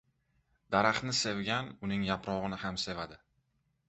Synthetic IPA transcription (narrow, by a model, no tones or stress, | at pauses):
d̪aɾaχnɪse̞vɡʲanʊnɪŋjapɾɒʁɨnɪhamse̞vad̪ɪ